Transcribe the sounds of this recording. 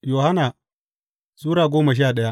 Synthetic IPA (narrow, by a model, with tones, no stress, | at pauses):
joː˨ha˦naː˨ | zuː˦ɾaː˨ɡʷoː˦ma˨ʃ̬i˦a˨ɗɐ˦ja˦ʔ